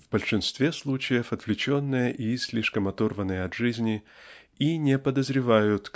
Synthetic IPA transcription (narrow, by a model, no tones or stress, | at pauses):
vbəlʲʂɨnst̪vʲeslˠut͡ɕɪjəfɐt̪vlʲɪt͡ɕonːɨjəʔisʲlʲiʂkəmɐt̪orvənːɨjəɐt̪ʐɨzʲnʲɪ | inʲepəd̪əzɾʲɪvajʊt̪